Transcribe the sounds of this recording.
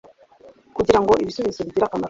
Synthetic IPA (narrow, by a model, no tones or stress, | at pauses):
kuɟiɾaŋɡo̞ʔiβisuβizoβiɟiɾakama